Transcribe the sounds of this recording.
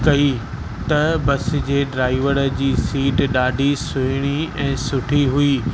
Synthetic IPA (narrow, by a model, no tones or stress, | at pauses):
kɐi | t̪ɐbɐs̆d͡ʑeːɖɾaːɪʋəɾəd͡ʑiːsiːʈɗaːɖʱisʊɦɪɽ̃iɛ̃ːsʊʈʰiɦʊiː